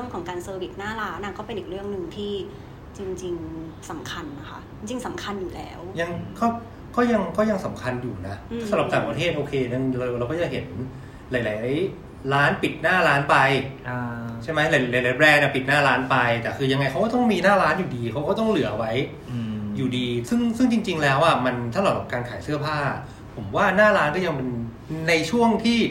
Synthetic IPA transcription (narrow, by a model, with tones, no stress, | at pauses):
ɾɯ˥˩əŋkʰɔː˩˦ŋkaː˧nsɤː˧wi˨˩t̪̚naː˥˩laː˦˥nʔa˥˩kɔː˥˩pe˧nʔi˨˩k̚ɾɯ˥˩əŋnɯ˨˩ŋt̪ʰiː˥˩ | t͡ɕi˧ŋt͡ɕi˧ŋ | sa˩˦mkʰa˧nːa˦˥kʰa̰˦˥ʔt͡ɕi˧ŋt͡ɕi˧ŋsa˨˩˦mkʰa˧njuː˨˩lɛ̰ː˦˥wja˧ŋkɔː˥˩ | kɔː˥˩ja˧ŋkɔː˥˩ja˧ŋsa˩˦mkʰa˧njuː˨˩na˦˥sa˧˦ɾa˨˩p̚t̪aː˨˩ŋpɾa˧t̪ʰeː˥˩t̪ʔoː˧kʰeː˧na˧˩ŋɾa˧wɾa˧wkɔ˥˩ja˧ŋɦe˩˦n | laː˨˦jlaː˩˦j | ɾaː˦˥npi˨˩t̪̚naː˥˩ɾaː˦˥npa˧j | t͡ɕʰa˥˩jma˦˥la˨˩˦jjla˨˦jlaː˨˦jbɾɛː˧nʔa˧˨˩pi˨˩t̪̚naː˥˩ɾaː˦˥npa˧jt̪ɛː˨˩kʰɯː˧ja˧ŋːa˧jxʰa˦˥kɔː˥˩t̪ɔ˥˩ŋmiː˧naː˥˩ɾaː˦˥njuː˨˩diː˧kʰa˦˥wkɔː˥˩t̪ɔ˥˩ŋlɯ˨˩˦ɐʔa˧wa˦˥j | juː˨˩diː˧sɯ˥˩ŋsɯ˥˩ŋt͡ɕi˧ŋt͡ɕi˧ŋlɛː˦˥wʔa˧˩ma˧nt̪ʰa˥˩lɔ˨˩a˨˩kaː˧nkʰaː˩˦jsɯ˥˩ɐpʰaː˥˩ | pʰo˩˦mwaː˥˩naː˥˩ɾaː˦˥nkɔː˥˩ja˧ŋpe˧n | na˧jt͡ɕʰu˥˩əŋt̪ʰiː˥˩